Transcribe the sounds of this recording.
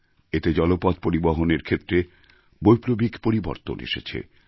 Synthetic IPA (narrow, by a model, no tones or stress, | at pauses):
et̪ed͡ʑɔlopɔd̪̚poɾiboɦoneɾkʰet̪ːɾe | bojpɾobikpoɾibo̰ɾt̪o̰nḛʃḛt͡ɕʰḛ